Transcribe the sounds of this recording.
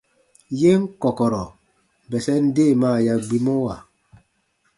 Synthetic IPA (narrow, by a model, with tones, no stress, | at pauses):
je˦ŋ̩˦kɔ˨kɔ˨ɾɔ˨ | bɛ˨sɛ˦n̩˦de˦˨maː˦˨ja˨ɡ͡bi˦mɔ˦wa˨